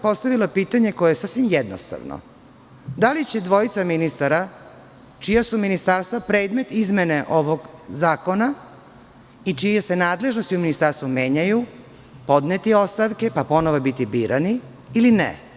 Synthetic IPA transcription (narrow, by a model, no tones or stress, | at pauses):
po̞st̪aʋilapiːt̪aɲe̞ko̞jeesasʋimjed̪no̰st̪a̰ʋno̰ | d̪alit͡ɕe̞d̪ʋo̞it̪saminist̪aɾa | t͡ʃijasuminist̪aɾst̪vapɾeːd̪me̞t̪izmeneʔoʋoɡzaːko̞na | it͡ʃijese̞naːd̪le̞ʒno̞st̪iuminist̪aɾst̪vumjeːɲaju | po̞d̪net̪io̞st̪aʋke̞papo̞noʋobit̪ibiːɾʔani | ilinḛ